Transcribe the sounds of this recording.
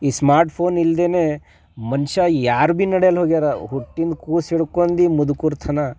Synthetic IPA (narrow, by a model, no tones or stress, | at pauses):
iːsmaːɾʈpʰoːnild̪eːne | mɐnʃɐjaːɾubinɐɽjɐlɦoːɡid̪aːɾɐɦuʈːind̪kuːsiɽukoːnd̪imud̪ukuɾt̪ʰɐnɐ